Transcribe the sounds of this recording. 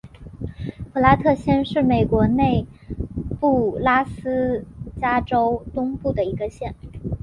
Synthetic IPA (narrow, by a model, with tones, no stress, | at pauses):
pʰɤ˥˩la˥t̪ʰɤ˥˧ɕjɛ˥nʂɻ̩˥˩me˨˩ɪkwɔ˧˥ne˥˧ɪ | pu˥˩la˥sɹ̩˥t͡ɕja˥ʈ͡ʂo˥ʊt̪ʊ˥ŋpu˥˩d̪ə˩i˧˥ɡə˧ɕjɛ˥˩n